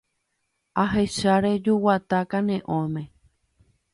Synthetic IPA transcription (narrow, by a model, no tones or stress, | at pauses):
aɦeʃaɾed͡ʒuwat̪akanẽʔõmẽ